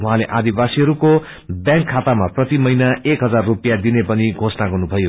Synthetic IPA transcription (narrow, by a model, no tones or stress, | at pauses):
wuɦãleʔad̪ibasiɦʌɾuko | bjãŋkʰːat̪amaprʌt̪imʌjnaekɦʌd͡zarːupijad̪inepʌniɡʱosnaɡʌrnubʱʌjo